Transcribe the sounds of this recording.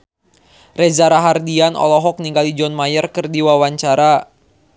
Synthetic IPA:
rɛzaɾaɦardianɔ̰lɔɦɔk̚niŋɡalid͡ʒɔnmajərkɨrdiwawaɲt͡ʃaɾa

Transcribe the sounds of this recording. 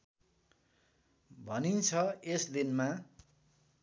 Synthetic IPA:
bʱʌnint͡sʰʌesd̪inma

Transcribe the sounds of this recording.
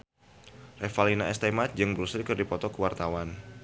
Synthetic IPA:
refalinaɛst̪amat̪̚d͡ʒɨŋbɾusilkərdipɔt̪ɔkəwart̪awan

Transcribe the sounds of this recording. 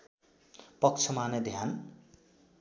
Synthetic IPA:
pʌk̚t͡sʰʌmanʌd̪ʱjan

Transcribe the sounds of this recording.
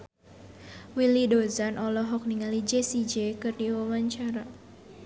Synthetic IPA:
wilidozanʔɔlɔɦɔk̚niŋalid͡ʒesid͡ʒekɨrdiwawaɲt͡ʃaɾa

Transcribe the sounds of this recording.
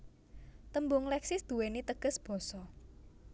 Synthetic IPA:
t̪əmbʊŋlɛksɪsd̪̥ṳwenit̪əɡ̥ə̤sb̥ɔ̤sɔ

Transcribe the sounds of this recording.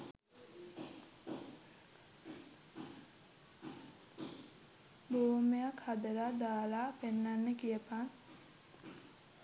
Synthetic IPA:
boːmejakhad̪əɾad̪aːlaːpenːanːəkijəpaŋ

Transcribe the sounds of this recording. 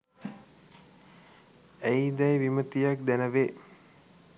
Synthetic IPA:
æjd̪ɛjʋimət̪ijak̚d̪ænəʋe

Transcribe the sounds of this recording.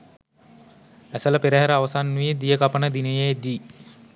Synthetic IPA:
æsələpeɾəɦæɾəaʋəsanːued̪ijəkapənəd̪inəjejd̪iː

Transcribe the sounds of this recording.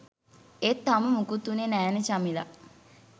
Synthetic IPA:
et̪ːaməmukut̪ːunenæːnet͡ʃamila̰

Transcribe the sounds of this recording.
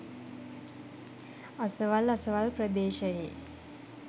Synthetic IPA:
əsəʋaləsəʋalpɾəd̪eːʃəjeː

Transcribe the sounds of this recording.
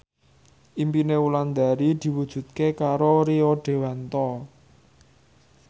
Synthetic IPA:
ʔimpineuland̪aɾid̪̥i̤wud̥ʒ̥ṳt̪̚kekaɾoɾeoɖ̥e̤wɛnt̪ɔ

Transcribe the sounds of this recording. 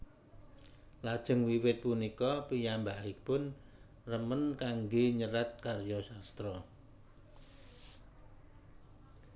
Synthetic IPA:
lad̥ʒ̥ə̤ŋwiwɪt̪̚punikɔpijambaʔipʊn | rəmənkaŋɡeɲəɾat̪̚karjɔsast̪ɾɔ

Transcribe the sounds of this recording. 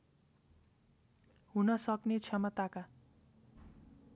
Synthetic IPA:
hunʌsʌknet͡sʰʌmʌt̪aka

